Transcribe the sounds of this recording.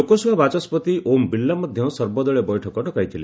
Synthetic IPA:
okɔsɔbʱabat͡ʃɔspɔt̪iʔombilːamɔd̪ʱjɔ̃sɔɾbɔd̪ɔɭebɔjʈʰɔkɔʈɔkajt̪ʰile

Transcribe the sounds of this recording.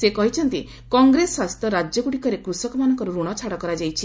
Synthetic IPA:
sekɔɦit͡ʃʰɔnt̪i | kɔŋɡɾeswast̪ɔɾad͡ʒjɔɡuɽikɔɾekɾusɔkɔmanɔŋkɔɾuɾuɽ̃ɔt͡ʃʰaɽɔkɔɾad͡ʒajt͡ʃʰi

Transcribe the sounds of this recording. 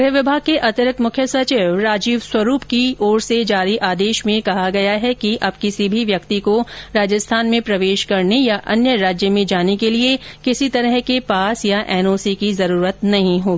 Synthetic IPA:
ɡɾɦʋɪbʱaːɡ̚kːeʔɐt̪ɪɾɪk̪mʊkʰjəsɐt͡ʃɪːʋɾaːd͡ʒiːʋswɐɾuːpkioːɾsed͡ʒaːɾiʔaːd̪eːʃmẽkɐɦaɡɐjaɦɛkiʔɐb̚kɪsibʱiʋjɐkt̪ikoɾaːd͡ʒəst̪ʰaːnmẽpɾɐʋeːʃkɐɾnejaʔɐnjəɾaːd͡ʒjəmẽd͡ʒaːnekeliekɪsit̪ɐɾəɦkepaːsjaʔɛːnoːsikizɐɾuːɾət̪nɐɦĩɦoːɡiː

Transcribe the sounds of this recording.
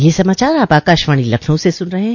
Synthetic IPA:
jesɐmaːt͡ʃaːɾaːpaːkaːʃʋaːɽ̃ilɐkʰnõsesʊnɾɐɦeɦ

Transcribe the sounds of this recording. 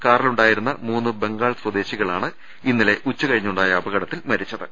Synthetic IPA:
kaːɾɐluɳɖaːjiɾunːɐmuːnːɨbe̞ŋɡaːɭswɐd̪e̞ːɕiɣɐɭaːɳɨ | inːile̞ʔut͡ɕːukɐɻiɲːuɳɖaːjɐːbɐɣɐɽɐt̪ːilmɐɾit͡ɕːɐðɨ

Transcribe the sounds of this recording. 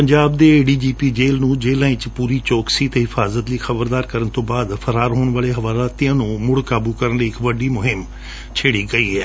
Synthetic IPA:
pəɲd͡ʒaːbd̪eːɖiːd͡ʒiːpiːd͡ʒeːlnũːd͡ʒeːlãːɪ̃t͡ʃpuːɾiːt͡ʃoːksiːt̪eɦɪfʰaːzət̪liːxʰəbəɾd̪aːɾkəɾənt̪õːbaːd̪pʰəɾaːɾɦoːɳ̃ʋaːleːɦəʋaːlaːt̪ijãːnũːmʊɽkaːbuːkəɾənliːɪkʋəɖiːmʊɦɪm | t͡ʃʰeːɽiːɡəiːɦɛː

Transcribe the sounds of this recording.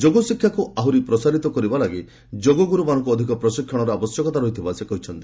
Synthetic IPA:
d͡ʒoɡɔsikʰːjakuaɦuɾipɾɔsaɾit̪ɔkɔɾibalaɡi | d͡ʒoɡɔɡuɾumanɔŋkuɔd̪ʱikɔpɾɔsikʰːjɔɽ̃ɔɾɔabɔsjɔkɔt̪aɾɔɦit̪ʰibasekɔɦit͡ʃʰɔnt̪i

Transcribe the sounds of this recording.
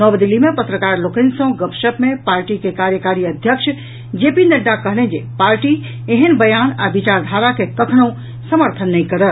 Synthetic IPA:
nəbd̪ilːimepət̪ɾəkaɾlokənsə̃ɡəpʃəpmepaɾʈikekaɾjəkaɾiəd̪ʱjəkʃʰ | d͡ʒepineɖ̪akəɦlẽnd͡ʒepaɾʈi | eɦənbəjanabit͡ʃaɾd̪ʱaɾakekəkʰnoũ | səməɾt̪ʰənːɛjkəɾə

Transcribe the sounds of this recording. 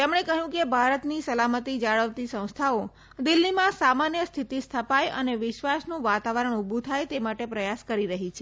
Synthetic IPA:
t̪emɳ̃ekəɦjũkebʱaɾət̪nisəlamət̪id͡ʒaɭəʋt̪isə̃w̃st̪ʰao | d̪ɪlːimãsamanjəst̪ʰit̪ist̪ʰəpajəneʋɪʃʋasnũʋat̪aʋəɾəɳubʱũt̪ʰajt̪emaʈepɾəjaskəɾiɾəɦit͡ʃʰe

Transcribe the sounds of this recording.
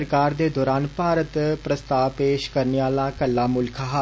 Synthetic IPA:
ɾkaːɾd̪eːd̪ɔːɾaːnpaːɾət̪pɾəst̪aːʋpeːʃkəɾneaːlaːkəlːaːmʊlkʰaːɦa

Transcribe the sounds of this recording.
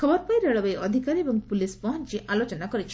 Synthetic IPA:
kʰɔbɔɾpajɾeɭɔbeɔd̪ʱikaɾiebɔŋpulispɔɦɔnt͡ʃiʔalot͡ʃɔnakɔɾit͡ʃʰi̥

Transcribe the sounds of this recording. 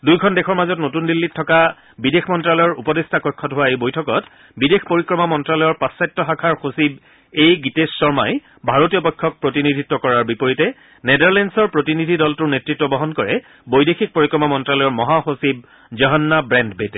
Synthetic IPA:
dujkʰɔndɛxʰɔɹmazɔtnotundilːitʰːɔka | bidexʰmɔntɹalɔjɔɹupɔdestʰakɔjkʰːɔtɦʊwaejbojtʰɔkɔt | bidexpoɹikɹɔmamɔntɹalɔjɔɹpasːajtːɔxakʰaɹxosib̚ | ejɡitesːɔɹma̰j | bʱaɹotijɔbɔkʰːɔk̚pɹotinidʱitːɔkɔɹaɹbipoɹitɛ | nedaɹlɛnsɔɹpɹotinidʱidɔltʊɹnetɹitːɔbɔɦɔnkɔɹɛ | bojdexik̚poɹikɹɔmamɔntɹalɔjɔɹmɔɦaxosib̚ | zɔɦɔnːabɹɛndbetɛ

